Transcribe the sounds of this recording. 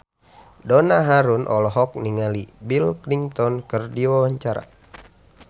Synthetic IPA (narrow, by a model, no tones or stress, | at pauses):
dɔnaɦaɾunʔɔ̰lɔɦɔk̚niŋalibilkliŋt̪ɔnkərdiwawaɲt͡ʃaɾa̰